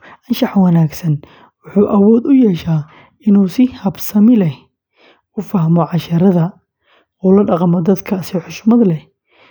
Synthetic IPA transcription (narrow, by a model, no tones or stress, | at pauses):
ʔɐnʃɑħwɐnaːɡsɐn | wʊħuːʔɐwɔːd̪ʊjɛːʃaː | ɪnuːsɪhɐbsɐmɪlɛh | ʊfɐɦmɔʕɑʃɐɾɐðɐ | ɔːlɐɖɑqmɔd̪ɐd̪kʰɐsɪħʊʃʊmɐðɐlɛ